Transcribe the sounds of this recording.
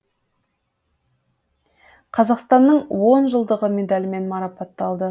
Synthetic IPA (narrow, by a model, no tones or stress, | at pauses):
qʰɑzɑqst̪ɑnːəɴwo̞nʒəlˠd̪əʁəme̞d̪ɑlʲɪme̞nmɑɾɑpɑt̪ːɑlˠd̪ə